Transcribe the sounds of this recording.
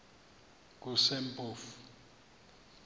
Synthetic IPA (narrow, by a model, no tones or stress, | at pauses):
k̬usempʼoːfu̥